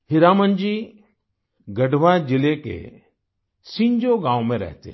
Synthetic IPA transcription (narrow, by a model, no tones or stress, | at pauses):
hɪɾaːmənd͡ʒiː | ɡəɖʋad͡ʒɪlekḛ | sɪ̃ɲd͡ʒoɡãːwmẽɾɛ̰ɦt̪ḛ